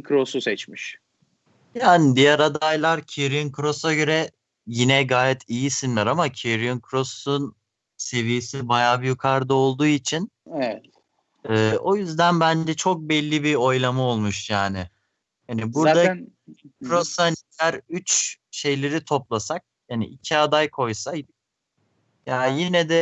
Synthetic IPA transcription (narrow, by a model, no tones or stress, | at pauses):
kʰɾosusɛt͡ʃmiʃ | jaːnɪd̪ijæɾad̪ajlˠaɾcʰiɾiinkʰɾo̞saɟø̞ɾɛ | jinɛɡaːjɛt̪ʰijisinlʲɛɾamacʰeɾijunkʰɾo̞sun | se̞vijesibajaːbijykʰaɾd̪ao̞lˠd̪uːit͡ʃʰinɛɛt̪ | ɛːo̞jyzd̪ænbænd͡ʒɛt͡ʃʰok̚bɛlʲːibio̞jlˠamao̞lˠmuʃjaːnɪ | hanibuɾd̪a | kʰɾoshancʰæɾyt͡ʃ | ʃe̞jlʲe̞ɾit̪ʰo̞plˠasak̚hanḭʔicʰiad̪ajkʰo̞jsajd̪ | jaːjinɛd̪ɛ